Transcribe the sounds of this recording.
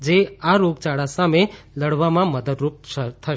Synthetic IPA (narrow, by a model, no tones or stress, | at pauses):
d͡ʒeaɾoɡt͡ʃaɽasameləɽʋamãməd̪əd̪ɾup̚t̪ʰəʃ